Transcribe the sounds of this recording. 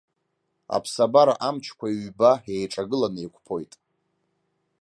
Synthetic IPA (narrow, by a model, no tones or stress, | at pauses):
a̰pʰsabaɾaʔamt͡ʃʰkʷʰaiɥbae̞jʈ͡ʂʼaɡɨlanɨekʷʰʼpʰo̞jtʼ